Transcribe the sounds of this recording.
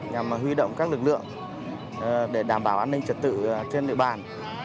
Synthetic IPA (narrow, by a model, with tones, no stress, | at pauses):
ɲa˨˩m˨˩ɦwi˧ɗo̰˧˨wŋ͡mkaː˦˥k̚lɨ˨˩k̚lɨ̰˧˨əŋ | ɗe˧˩ɗaː˧˩mɓaː˧˩wʔaː˧nːï˧ŋ̟t͡ɕə˨˩t̚t̪ɨ̰˧˨t͡ɕe˧nɗḭ˧˨əɓaː˨˩n